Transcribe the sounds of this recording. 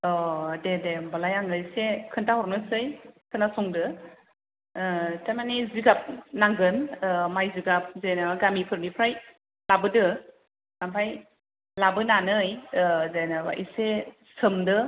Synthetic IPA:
ɔdedebalajaŋɯjsekʰɯntahɔɾnɯsɯjkʰɯnasɔŋdɯ | tamaniziɡap̚naŋɡɯnmajziɡap̚zajnɯɡamipʰɯɾmipʰɾaj | labɯdɯ | nampʰaj | labɯnanɯjzajnɯwa̰ʔḭse | sɯmdɯ

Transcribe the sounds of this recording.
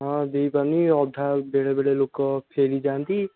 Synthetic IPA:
ɦãd̪eipaniɔd̪ʱːabeːɽebeɽelokpʰeːlid͡ʒaːnd̪i

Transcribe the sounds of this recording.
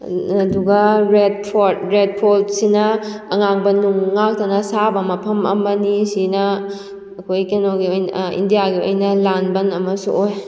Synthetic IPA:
ɐduɡɐɾed̚pʰodɾed̚pʰoldsinɐːŋaŋbɐnuŋːak̚tɐnɐsabɐmɐpʰɐmɐ̰mɐnisinɐ | ɐkʰojkenoɡiojnḭndijaɡio̰jnɐlanbɐnɐmɐsṵʔoj

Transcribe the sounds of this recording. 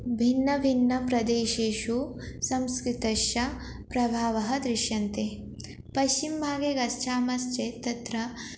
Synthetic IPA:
bʱinːɐbʱinːɐpɾɐd̪eːʃeːʃu | sɐmskɾit̪ɐʃjɐ | pɾɐbʱaːʋɐɦɐ̆d̪ɾɪʃjɐnt̪e | pɐʃt͡ʃimbʱaːɡeɡɐst͡ʃʰaːmɐst͡ʃet̪ɐt̪ɾɐ

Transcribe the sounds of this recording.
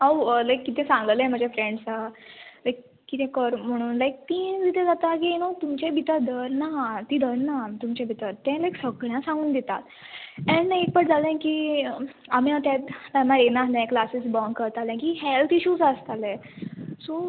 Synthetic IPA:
awəlajkːit̪ʰɛ̃sãŋɡəlɛ̃m̤ad͡ʑʱafɾeɳɖsalajkːit̪ʰɛ̃kəɾm̤əɽ̃uːnlajk̚t̪id̪it̪ʰɛ̃d͡zat̪ak̬iẽnot̪umt͡ɕebit̪əd̪əɾnat̪iːd̪əɾnat̪umt͡ɕẽbʱit̪əɾt̪ɛ̃lajksəɡɭjãsãŋɡuːnd̪et̪at̪ɛ̃ɳaek̚pəʈd͡zalɛ̃kiː | am̤iat̪ãt̪pamaɾenaslɛ̃klasisbəŋkəɾt̪alɛ̃kiɦɛlt̪iɕuːd͡zəst̪alɛ̃ | so

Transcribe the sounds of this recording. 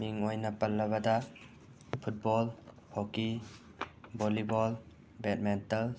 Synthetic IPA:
miŋojnɐpɐlːɐβɐda | pʰut̚bɔl | hɔki | bɔlibɔl | bet̚mentɐl

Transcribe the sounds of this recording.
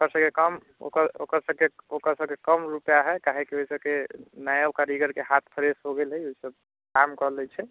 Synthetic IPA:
okəɾsəbkekəm | o̰kəɾo̰kəɾsəb̚keokəɾsəb̚kekəmɾupjaɦɛkaɦekioisəbkenajakaɾiɡəɾkeɦat̪ʰpʰəɾesɦoɡelɦəjoisəb̚ | kamkɔlɛt͡ʃʰɛ

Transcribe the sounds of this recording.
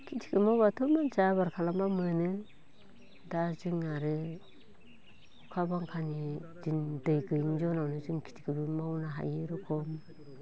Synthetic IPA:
kʰitʰi̥kʰɯmawbatʰumand͡ʒabaɾkʰalambamɯnɯ | dazɯŋaɾɯ | ukʰabaŋkʰanid͡ʒindɯjɡɯjŋzɔnawnɯzɯŋkʰi̥tʰi̥kʰɯbɯmawnaɦa̰jɯɾɔkʰɔm

